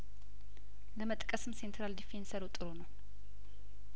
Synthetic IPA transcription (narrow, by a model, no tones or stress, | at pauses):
ləmət̪ʼkʼəsɨmse̞nt̪ʰɾald̪ifensəɾəwt̪ʼɨɾonəw